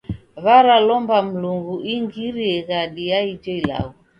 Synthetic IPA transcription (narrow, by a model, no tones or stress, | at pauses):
βaɾalɔmbam̩luŋɡuʔiŋɡiɾiɛɣaɗijaid͡ʒɔila̰ɣu